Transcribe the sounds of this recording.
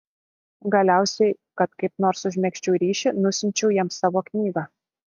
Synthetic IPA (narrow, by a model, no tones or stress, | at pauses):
ɡɐlʲæˑʊsʲɛɪ | kɐt̪kɐɪp̚noːɾsʊʒʲmʲɛkʃʲt͡ʃʲɛʊːɾʲiːʃʲɪnʊsʲɪnʲt͡ʃʲɛʊjɛmsɑːʋoːknʲiːɡɑː